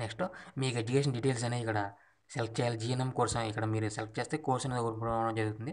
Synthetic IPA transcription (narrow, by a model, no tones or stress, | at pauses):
neksʈoːmiːkued͡ʒukeːʂ̬ɐnɖiʈeːls̬ɐneːikːɐɽɐ | selp̚ʰt͡ʃejɐld͡ʒiːjɐnɐmkɔːɾsɐmikːɐɽɐmiːɾuselp̚ʰt͡ʃe̞ːst̪eːkoːɾsɐnɡoːɾppːɳɽɐmd͡ʒɐɾuɡut̪und̪i